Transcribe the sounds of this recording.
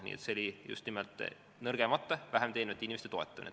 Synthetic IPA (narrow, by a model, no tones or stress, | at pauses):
nʲḭːḛt̪seolʲijṵst̪nimelt̪ːˑ | nɤrɡ̥emɑt̪ːɑvæɦemt̪envet̪ːinʲimest̪et̪o̞e̞t̪ˑːɑunḛ